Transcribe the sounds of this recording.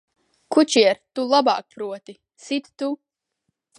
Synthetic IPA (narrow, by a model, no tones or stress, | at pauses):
kut͡ʃiɛɾt̪ulˠaba̰ːk̚pɾuɔt̪i | sit̪t̪u